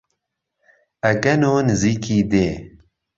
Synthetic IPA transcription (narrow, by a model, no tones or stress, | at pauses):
ɐɡɐnoːnɨziːkʰiːd̪eː